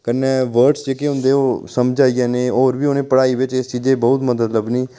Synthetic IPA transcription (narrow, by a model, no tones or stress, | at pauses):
kənːɛːʋəɾʈsd͡ʒeːkeːɦʊ̃nd̪eːoːsəmd͡ʒaːijãːneːoːɾbiːʊːnẽːpəɽaːiːʋɪt͡ʃɪst͡ʃiːd͡ʒeːbəʊt̪məd̪əd̪ləbnĩː